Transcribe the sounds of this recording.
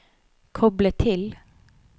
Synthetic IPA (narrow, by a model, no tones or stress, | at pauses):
kʰɔblət̪ʰɪl